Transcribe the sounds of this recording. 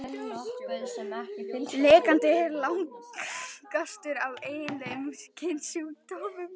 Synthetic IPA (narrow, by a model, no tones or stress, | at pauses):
leːkant̪ɪɾlawŋk | kast̪ʏɾaveːjɪnlemscʰejnsut̪ovʏm